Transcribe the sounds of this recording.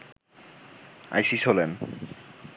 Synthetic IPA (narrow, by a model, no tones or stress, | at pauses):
a̰jʃiʃɦolen